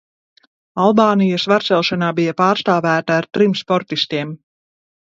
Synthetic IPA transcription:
alˠbaːnijɐsvaɾt̪sɛlˠʃanaːbijapaːɾst̪aːvæːt̪aːɾt̪ɾimspɔɾt̪ist̪iɛm

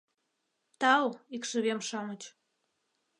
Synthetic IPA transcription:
t̪ɑlikʃə̆βemʃɑmət͡ɕ

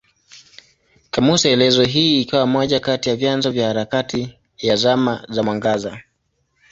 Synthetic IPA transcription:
kamusaɛlɛzɔɦiːikawamɔʄakatijavjanzɔvjahaɾakati | jazamazamwaŋɡaza

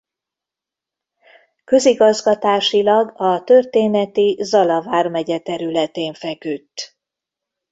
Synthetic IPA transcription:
kø̞ziɡɒzɡɒt̪aːʃilɒɡɒt̪ørt̪eːnɛt̪izɒlɒvaːrmɛɟɛt̪ɛɾylɛt̪eːɱfɛkyt̪ː

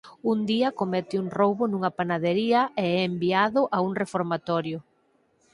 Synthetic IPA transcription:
und̪iɐkomɛt̪ɪuŋrowβʊnũŋɐpanaðeɾiɐeɛːmbiaðʊʔauŋrefoɾmat̪ɔɾjʊ

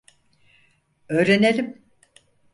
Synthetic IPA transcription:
øːɾe̞nelʲim

